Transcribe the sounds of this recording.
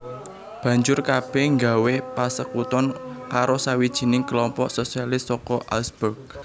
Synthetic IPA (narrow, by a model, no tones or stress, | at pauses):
b̥ä̤ɲd͡ʒʊrkab̥ɛhŋɡawepasəkut̪ɔnkaɾosawid̥ʒ̥i̤nɪŋkəlɔmpɔʔsosialɪst̪sɔkɔʔalsburk̚